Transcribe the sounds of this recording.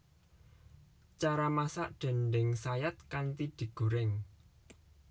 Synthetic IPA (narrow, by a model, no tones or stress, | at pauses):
t͡ʃaɾamasaʔɖ̥ɛ̤nɖɪŋsajat̪̚kant̪id̪̥i̤ɡ̥ṳɾɪŋ